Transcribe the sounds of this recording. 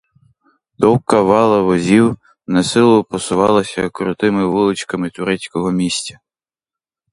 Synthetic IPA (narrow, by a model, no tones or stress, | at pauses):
d̪ɔwkɐʋɑlˠɐʋɔzʲiw | nɐsɪlˠʊpɔsʊʋɑlˠɐsʲɐkɾʊt̪ɪmɪʋɪlˠɪt͡ʃkɐmɪt̪ʊɾɛt͡sʲkɔɦɔmʲisʲtʲɐ